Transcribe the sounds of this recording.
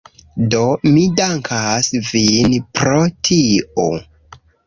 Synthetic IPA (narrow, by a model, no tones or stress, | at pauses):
do̞midaŋkʰasvinpɾotʰio̰